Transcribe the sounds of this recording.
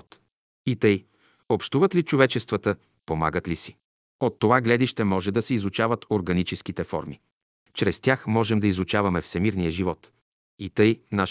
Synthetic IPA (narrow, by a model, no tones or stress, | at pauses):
t̪ | it̪əj | opʃt̪uvət̪lit͡ʃovɛt͡ʃɛst̪vət̪ə | poma̰ɡət̪lisi̥ | ot̪ːovaɡlɛd̪iʃt̪ɛmɔʒɛd̪ɐsɛizut͡ʃavət̪oɾɡɐnit͡ʃɛsk̟it̪ɛfɔ̰ɾmi | t͡ʃɾɛst̪ʲjaxmɔʒɛmd̪ɐizut͡ʃavɐmɛfsɛmiɾnijəʒivɔt̪ | it̪ɤjna